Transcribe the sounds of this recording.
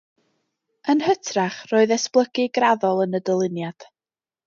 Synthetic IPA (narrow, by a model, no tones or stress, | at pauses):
ənhətʰraχroːɨðɛsplˠəɡɨɡraðɔlˠənədəlˠɪnjad̥